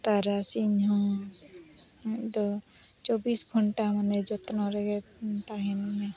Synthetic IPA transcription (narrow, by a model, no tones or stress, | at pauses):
t̪aɾasinɦɔ̃ | d̪ɔ | t͡ʃɔbisɡʱɔɳʈamaned͡ʒɔt̪nɔɾeɡet̪aɦinme